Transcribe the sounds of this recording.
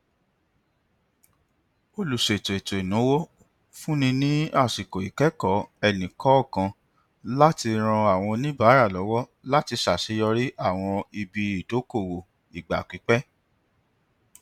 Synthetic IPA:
o˧lu˨ʃe˨ti˨to˨i˨nũ˨˦wo˦ | fũ˦nĩ˧nĩ˦a˦˨si˨ko˨i˨kɛ˦kɔ˦ɛ˦˨nĩ˨kɔ˨˦˨kã˧ | la˦ti˧ɾ̃ɔ̃˧a˨w̃ɔ̃˧nĩ˦baː˨˦ɾa˦˨lɔ˨˦wɔ˦la˦ti˧sa˨ʃi˨˦jɔ˧ɾi˦ʔa˦˨w̃ɔ̃˧i˧bi˧i˦˨to˨˦ko˦˨wo˨ | i˨ɡ͡ba̰˨k͡pi˨˦k͡pɛ˦

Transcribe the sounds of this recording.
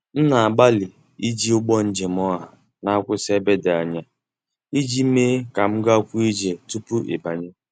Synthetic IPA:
n̩˦na˨a˨ɡ͡ba˦lɪ˨ | i˦d͡ʒi˦ʊ˦ɡ͡bɔ˦n̩˦d͡ʒe˨m˦ɔ˦ɦa˨ | na˦a˦kʷʊ˦se˦be˦da˨a˨ɲa˦ | i˦d͡ʒi˦me˦ka˨m̩˦ɡa˦kʷu˦i˦d͡ʒe˨tu˦pu˦ʔe˨ba˨ɲe˦

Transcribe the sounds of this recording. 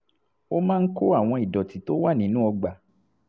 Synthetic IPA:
o˦mãː˦n̩˦ko˦a˦˨w̃ɔ̃˧i˨dɔ˨ti˨˦to˦wa˦˨nĩ˨˦nũ˦ɔ˧ɡ͡ba˨

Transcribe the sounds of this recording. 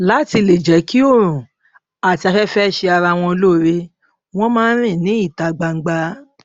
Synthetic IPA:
la˨˦˨ti˧le˨d͡ʒɛ˨˦ki˦o˦˨ɾ̃ũ˨ | a˨ti˧a˧kɛ˦fɛ˦˨ʃe˧a˧ɾa˧˨w̃ɔ̃˧o˧lo˦˨˧ɾe˧ | w̃ɔ̃˦mãː˦n̩˦ɾ̃ĩ˦˨nĩ˨˦i˦˨ta˧ɡ͡ba˧ŋ̩˦ɡ͡ba˧

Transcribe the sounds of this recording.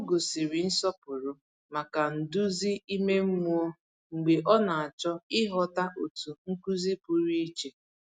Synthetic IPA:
o˦ɡo˨si˨ɾi˨n̩˦sɔ˦pʊ˨ɾʊ˦ | ma˨ka˨n̩˨dʊ˦zi˦i˦me˦m̩˦mu˦o˦ | ŋ͡m̩˨ɡ͡be˨ʔɔ˦na˨a˨t͡ʃɔ˦ɪ˦ɦɔ˦ta˦ʔo˨tu˨ŋ̩˦ku˦zi˦pʊ˦ɾi˦i˦t͡ʃe˨

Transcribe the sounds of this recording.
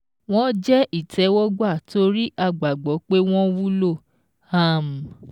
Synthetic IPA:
w̃ɔ̃˦d͡ʒɛ˦ʔi˦˨tʰɛ˨˦wɔ˦ɡ͡ba˦˨to˧ɾi˦ʔa˦˨ɡ͡ba˨ɡ͡bɔ˨˦k͡pe˦w̃ɔ̃˦wu˦lo˦˨ | a˦˨m˨

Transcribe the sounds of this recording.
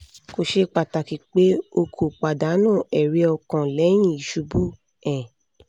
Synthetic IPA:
ko˨ʃe˧k͡pa˨ta˨ki˨˦k͡pe˦o˧kʰo˨k͡pa˨da˨˦nũː˦˨ɛ˨ɾi˧˦ɔ˧kɔ̃˨lɛ˨˦j̃ĩ˦˨i˨ʃu˧bu˦ | ɛ̃˨

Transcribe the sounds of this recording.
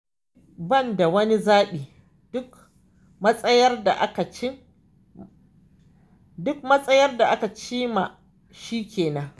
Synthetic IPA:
bɐ˦˨nda˨wɐ˦ni˦zaː˦ɗiː˨ | dʊ˦k | mɐ˦sʼɐ˦jɐ˦rda˨ʔa˦ka˨t͡ʃɪ˦ | dʊ˦k̚mɐ˦sʼɐ˦jɐ˦rda˨ʔa˦ka˨t͡ʃiː˦ma˨ | ʃiː˦kʲeː˨nɐ˦ŋ

